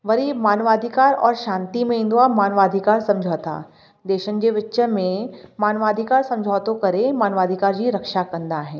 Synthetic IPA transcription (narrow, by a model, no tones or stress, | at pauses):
ʋɐɾimaːnʋaːd̪ʱikaːɾɔ̰ːɾʃãːnt̪imẽɪ̃nd̪oamaːnʋaːd̪ʱikaːɾsɐ̃md͡ʒʱot̪a̰ː | d̪eːʃən̆d͡ʑeʋɪtːəmẽmaːnʋaːd̪ʱikaːɾsɐ̃md͡ʒʱaːt̪õkɐɾemaːnʋaːd̪ʱikaːɾd͡ʑiɾɐkʃakɐ̃nd̪aɦɛː